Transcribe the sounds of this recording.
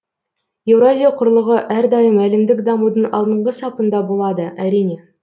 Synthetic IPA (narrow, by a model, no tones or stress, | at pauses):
je̞vɾazʲijaqʰʊɾlˠəʁəʔæɾd̪ɑjəmælɪmd̪ɪkd̪ɑmud̪əɴɑ̰lˠd̪əɴʁəsɑpənd̪ɑbo̞lˠɑd̪əʔæɾijne̞